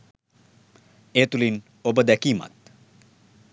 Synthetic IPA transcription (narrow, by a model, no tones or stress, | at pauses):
et̪ulin | obəd̪ɛkima̰t̪̚